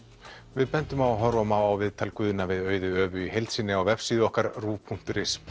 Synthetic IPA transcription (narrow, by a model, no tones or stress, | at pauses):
vɪðpɛnt̪ʏmawɦɔɾvɔmawawvɪðt̪ʰalkvʏːðʏnavɪðœːɥðʏœːvʏihejlt̪sɪnːɪawvɛpsiːðʏɔhkaɾruːpʰuŋ̥t̪ʏɾɪs